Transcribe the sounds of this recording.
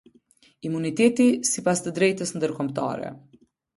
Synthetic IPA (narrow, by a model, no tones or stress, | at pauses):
imunit̪ɛt̪isipast̪əd̪ɾɛjt̪əsnd̪əɾkɔmt̪a̰ɾɛ̰